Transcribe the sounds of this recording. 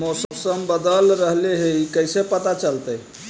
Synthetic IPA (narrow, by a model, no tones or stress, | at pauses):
mosəbsəmbəd̪əlɾəɦleɦeikəjsepət̪at͡ʃəlt̪əj